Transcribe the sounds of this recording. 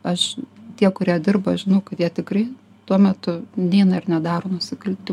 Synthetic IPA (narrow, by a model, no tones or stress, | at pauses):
ɐʃt̪ʲiɛkʊɾʲiɛd̪ʲɪrbɐʒʲɪnɐʊkɐt̪jiɛt̪ʲɪkrɐɪ | t̪uɔmʲɛt̪ʊnʲeːnɐɪrnʲɛd̪ɑːɾoːnʊsʲɪkɐlʲt̪ʲɪ